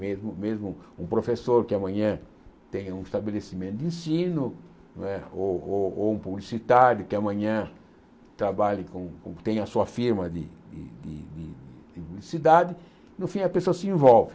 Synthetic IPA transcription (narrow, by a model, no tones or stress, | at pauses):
mezmʊmezmʊũpɾofesoɾkɪɐmɐ̃ɲɐ̃ | t̪ẽjɐũist̪abelesimẽnt̪ʊd̪ĩsĩnʊ | ñɛoooũpublisit̪aɾjʊkɪɐmɐ̃ɲɐ̃ | t̪ɾabaʎɪkõkõ̰t̪ẽj̃ɐsuɐfiɾmɐd̪ɪ̰d̪ɪ̰d̪ɪ̰d̪ɪdɪd̪ɪpublisid̪ad̪ɪ | nʊfĩɐpesoɐsɪẽvɔwvɪ